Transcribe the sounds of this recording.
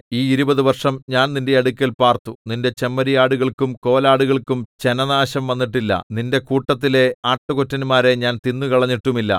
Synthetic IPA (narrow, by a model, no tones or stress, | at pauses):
iːiɾubɐðuʋɐrʂɐmɲaːnninde̞ɐɽukʲːɐlpaːrt̪uninde̞t͡ɕe̞mːɐɾijaːɽuɣɐɭkumko̞ːlaːɽuɣɐɭkumt͡ɕe̞nɐnaːɕɐmʋɐnːiʈ̬ːilːɐ̰ninde̞kuːʈːɐt̪̬ːile̞aːʈːukotːinmaːɾe̞ɲaːnt̪inːukɐɭɐɲːiʈːumilːɐ̰